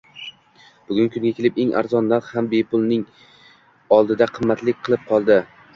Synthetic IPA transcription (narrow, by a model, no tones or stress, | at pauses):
b̥ʊɡʲʊŋkʰʊŋɡʲakʲʰe̞lɪpe̞ŋʔa̰ɾzɒnːaχhambe̞pʰʊlˠnɪŋ | ɒlˠd̪ɪd̪aqʰɨmːat̪lɪkʲqʰɨlˠɪp̚qʰɒlˠd̪ɪ